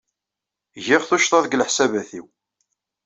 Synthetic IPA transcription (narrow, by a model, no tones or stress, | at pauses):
ʝɪʁθuʃt̪ˤɑðɡləħsævæθiw